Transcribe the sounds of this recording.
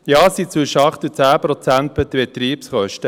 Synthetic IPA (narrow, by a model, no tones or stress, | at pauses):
jɑːsit͡sʋʏʃəɑχt̪ut͡sæːpɾɔt͡sænt̪̚bɛt̪bɛt̪ɾiːpsχœʃtə